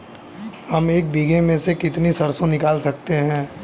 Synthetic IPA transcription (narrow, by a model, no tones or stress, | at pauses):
hɐmeːk̚biːɡemẽsekɪt̪nisɐɾsõnɪkaːlsɐk̚t̪eɦɛ̃ː